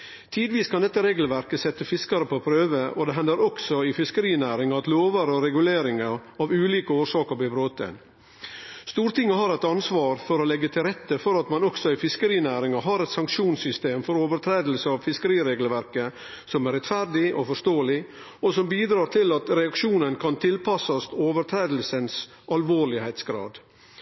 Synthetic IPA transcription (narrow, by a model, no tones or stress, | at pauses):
t̪ʰiːd̪ʋiːskʰɑnd̪ɛt̪ːəɾeːɡl̩ʋæɾkəsɛt̪ːəfɪskɑɾəpʰopʰɾøːʋəʔod̪ɛɦɛnd̪əɾɔksɔɪfɪskəɾiːnæːɾɪŋɑt̪loːʋəɾəɔɾɛɡʉleːɾɪŋəɾɑːʋʉːliːkəoːɾʂɑːkəɾb̪ɪbɾoːt̪ːɛ̰n | st̪uːɾt̪ɪŋːəhɑɾɛt̪ɑnsʋɑːɾfɔɾolɛɡːət̪ʰɪlɾɛt̪ːəfɔɾɑt̪mɑnɔksɔæɪfɪskəɾiːnæːɾɪŋɑɦɑɾɛt̪sɑŋkʃuːnsʏst̪eːmfɔɾoːʋəɾt̪ʰɾeːd̪l̩səɑʋfɪskəɾiːɾeːɡlʋæɾkə | sɔmæɾɛt̪fæɾɖɪʔɔfɔʂt̪oːəlɪ | ɔsɔmbiːd̪ɾɑːt̪ʰɪlɑt̪ɾɛɑkʂuːnənkʰɑnt̪ʰɪlpʰɑsɑst̪oːʋəɾt̪ʰɾeːd̪l̩səns | ʔɑlʋoːɭɪheɪt̪sɡɾɑ̰ːd̪